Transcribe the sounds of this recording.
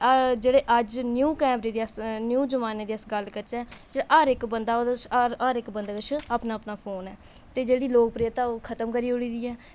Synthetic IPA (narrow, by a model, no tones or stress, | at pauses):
d͡ʒeːɽeːʔəd͡ʒnjuːkɛːmɾeːd̪eːəsnjuːd͡ʒəmaːneːd̪eːəsɡəlkəɾt͡ʃɛːd͡ʒeːaʔaːɾɪkbənd̪aːod̪t͡ʃːaːɾɪkbənd̪aːkət͡ʃʰaːpnaːəpnaːpʰoːnɛː | t̪eːd͡ʒeːɽiːloːk̚pɾeːət̪aːoːkʰət̪əmkəɾiːoɽiːd̪iːɛː